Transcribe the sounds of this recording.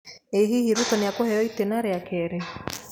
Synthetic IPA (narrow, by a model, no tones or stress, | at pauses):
eɦihiɾutɔneakohɛjɔitenaɾeakɛɾe